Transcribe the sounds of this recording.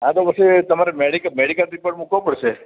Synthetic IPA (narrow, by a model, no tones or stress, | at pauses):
ãd̪oʋəset̪əmaɾemɛɽikəmɛɽikəlt̪ɾipəʈmukʋopəɽʃe